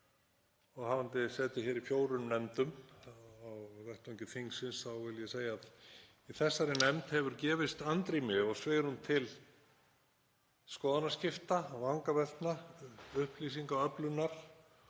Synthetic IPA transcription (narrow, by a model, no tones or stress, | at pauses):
ɔɣɦavant̪ɪsɛːt̪ɪçɛːɾifjoːwɾʏnnːɛmt̪ʏm | awðɛht̪ɛ̃ŋcɪθiŋksɪnsθawvɪljɛseːjaːð | iθɛsːaɾɪnɛmt̪hɛvʏɾcɛːvɪst̪ant̪ɾimɪɔɣsveːjɾhunt̪ʰɪl | skɔːðanascɪft̪avaŋkavɛlt̪naʏhpliːs̬iŋkaœplʏnːaɾ̥